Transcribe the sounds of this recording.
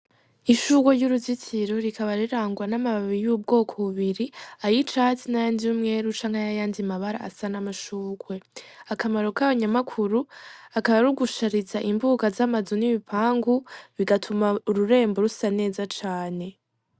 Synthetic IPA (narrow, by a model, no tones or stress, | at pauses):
iʃuɡwojuɾuzitʰiɾoɾikʰaβaɾiɾaːŋɡwanamaβaβijuːb̚ɡo̞ːkʰo̞βuβiɾiajit͡ʃatinajaːndiumŋe̞ɾut͡ʃaŋ̥hajajaːndimaβaɾa̰a̰sanamaʃuːɡwe̞akamaɾokaβaɲamakʰuɾuakaβaɾuɡuʃaɾizaʔimbuːɡazamazoniβipʰaːŋɡuβiɡatʰumauɾuɾe̞ːmbo̞ɾusane̞ːzat͡ʃaːne̞